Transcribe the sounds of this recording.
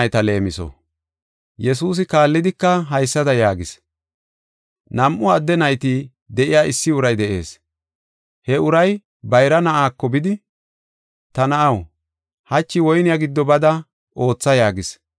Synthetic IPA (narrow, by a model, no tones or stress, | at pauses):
jt̪ɐle̞ːmɪsɔ̰ | jɛs̬uːs̬ɪkaːlːɪd̪ɪkːɐɦɐjsːɐd̪ɐjaːɡɪs | nɐmʔʊɐd̪ːɛnɐjt̪i | d̪ɛʔɪjaːɪsːɪʊɾɐjd̪ɛʔḛːs | hɛʊɾɐj | bɐjɾɐnɐʔaːkːɔbɪd̪ɪ | t̪ɐnɐʔɐw | hɐt͡ʃːɪwɔjnɪjaɡɪd̪ːɔbɐd̪ɐ | ʔo̞ːt͡sːɐjaːɡɪs